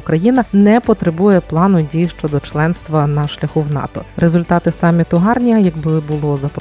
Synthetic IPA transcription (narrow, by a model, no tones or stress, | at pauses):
kɾɐjinɐnɛpɔt̪ɾebujɛplˠɑnʊdʲijʃt͡ʃɔd̪ɔt͡ʃlˠɛnst̪ʋɐnɐʃlʲɐxuwnɑ̰t̪ɔɾʔezʊlʲt̪ɑt̪ɪsɑmʲːit̪ʊɦɑrnʲiɐjɐɡbɪbʊlˠɔzɐpɾ